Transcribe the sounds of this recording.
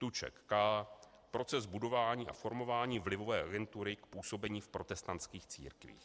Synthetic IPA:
t̪ut͡ʃɛ̰kːaː | pɾo̞t͡sɛzbudo̞vaːɲiːʔa̰fo̞ɾmo̞vaːɲiːvlɪvo̞vɛːʔaɡɛnt̪uɾɪkpuːso̞bɛɲiːfpɾo̞t̪ɛst̪ant̪skiːxt͡sḭːɾkvḭːx

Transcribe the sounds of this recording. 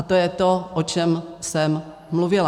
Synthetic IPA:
at̪ojɛt̪oʔot͡ʃɛmsɛmː | luvɪla

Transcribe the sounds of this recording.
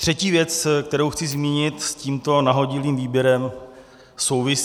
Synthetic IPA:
t̪r̝̥ɛciːvjɛt͡skt̪ɛɾowxt͡sɪzmiːɲɪt̪sciːmt̪o̞naɦo̞ɟɪliːmviːbjɛɾɛm | so̞wvɪs

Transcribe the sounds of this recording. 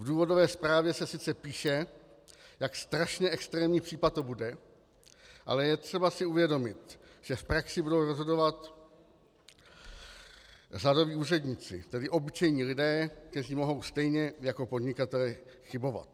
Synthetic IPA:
vduːvo̞dovɛːspɾaːvjɛsɛsɪt͡sɛpiːʃɛ | jakst̪ɾaʃɲɛʔɛkst̪ɾɛːmɲiːpr̥iːpat̪t̪obudɛ | ʔa̰lɛjɛt̪r̝̥ɛbasɪuvjɛdo̞mɪt̪ʒ̥ɛfpɾaksɪbudo̞wɾozɦo̞do̞vat̪ | rado̞viːuːrɛdɲit͡sɪ̰t̪ɛdɪʔo̞bɪt͡ʃɛjɲiːlɪdɛːk̚t̪ɛriːmo̞ɦo̞wst̪ɛjɲɛjako̞po̞dɲɪkat̪ɛlɛxɪbo̞va̰t̪

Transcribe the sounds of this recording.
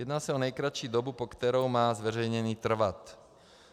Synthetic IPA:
jɛd̪naːsaɔnɛjkɾaʃid̪ɔbupɔkt̪ɛɾɔʊmaːzʋɛɾɛjɲɛniːt̪r̩ʋat̪

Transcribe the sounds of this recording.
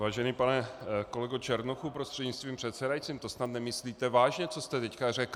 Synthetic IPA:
vaːʒɛniːpanɛko̞lɛɡot͡ʃɛɾnoxupɾost̪r̥ɛd̪ɲɪt͡st̪viːmpr̝̥ɛt̪t͡sɛdajt͡siːmt̪o̞snat̪nɛmɪsliːt̪ɛvaːʒɲɛt͡so̞st̪ɛt̪ɛckarɛk

